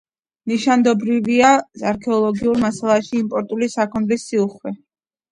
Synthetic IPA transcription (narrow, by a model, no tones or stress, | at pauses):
niʃand̪ɔbɾiviasaɾkʰɛɔlˠɔɡiuɾmasalˠaʃiːmpʼɔɾt̪ʼulisakʰɔnd̪lisːiuχwɛ